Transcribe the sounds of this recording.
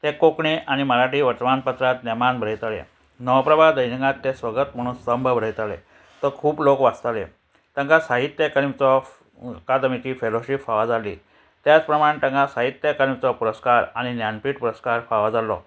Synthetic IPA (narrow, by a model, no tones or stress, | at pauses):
t̪ekokɳiʔaɽ̃iməɾaʈiːʋəɾt̪ʋanpət̪ɾat̪nemanbʱɾəjt̪alḛ | nəʋəpɾəbad̪əjnikãt̪ːesʋəɡət̪m̤əɽ̃ũːnsəmbʱəbʱɾəjt̪alḛ | t̪əkʰuːplokʋad͡zt̪alḛ | t̪ə̃ŋkasaɦit̪ːjəkəɾit͡sɔ | kad̪mit͡ɕiːfeloɕipfaʋad͡zalḭː | t̪jat͡spɾəmaɽ̃et̪ə̃ŋkasaɦit̪ːjəkəlit͡sɔpuɾəskaɾañinjanpiːʈpuɾəskaɾfaʋad͡zalɔ̰